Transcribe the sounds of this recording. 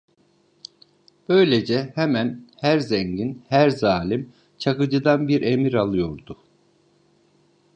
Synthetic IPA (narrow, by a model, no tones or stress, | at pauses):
b̥ø̞jlʲed͡ʒɛhemænhæɾzɛɲɟinhæɾzaːlʲim | t͡ʃʰakɯd͡ʒɯd̪anbiɾe̞miɾalˠɯjo̞ɾd̪ʊ